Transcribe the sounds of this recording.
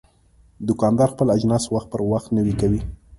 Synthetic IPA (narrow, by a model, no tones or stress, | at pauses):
d̪ʊkɑnd̪ɑɾxpəlad͡ʒnɑswaxt̪̚pəɾwaxt̪nəwikawi